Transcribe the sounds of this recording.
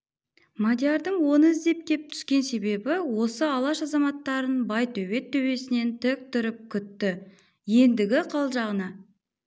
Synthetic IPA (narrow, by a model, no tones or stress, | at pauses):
mad̪ʲjaɾd̪əɴwo̞nəɪzd̪e̞p̚kʲʰe̞p̚t̪ʰʏ̥skʲe̞nse̞be̞bɪwo̞səɑlˠɑʃɑzɑmɑt̪ːɑɾənbɑjt̪ʰɵwe̞t̪ʰːɵwe̞sɪne̞nt̪ʰɪk̚t̪ʰʏɾɪp̚kʲʰʏt̪ːɪ | je̞nd̪ɪɡʲɪqʰɑlˠʒɑʁənɑ